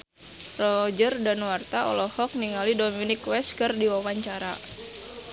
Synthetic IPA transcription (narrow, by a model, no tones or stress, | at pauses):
rɔd͡ʒərdanwart̪aʔɔ̰lɔhɔk̚niŋalidominikwɛskɨrdiwawaɲt͡ʃaɾa